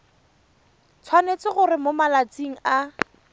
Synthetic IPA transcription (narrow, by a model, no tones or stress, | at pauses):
t͡sʰwanet͡sɪɣʊrɪmomalat͡siŋ̩a